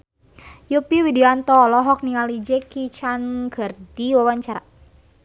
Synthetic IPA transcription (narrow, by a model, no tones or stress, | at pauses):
jupiwidiant̪ɔlɔɦɔk̚nialid͡ʒɛkit͡ʃanɡərdiwawaɲt͡ʃaɾa̰